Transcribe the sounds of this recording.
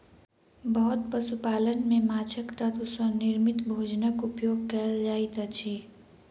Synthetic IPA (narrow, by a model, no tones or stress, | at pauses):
bəɦʊt̪̚pəsupaːlənmẽmaːt͡ʃʰəkt̪ɐt̪ʊswənɪɾmɪt̪bʱoːd͡ʒnəkʊpjoːɡ̚kəld͡ʒaːit̪ət͡ʃʰiː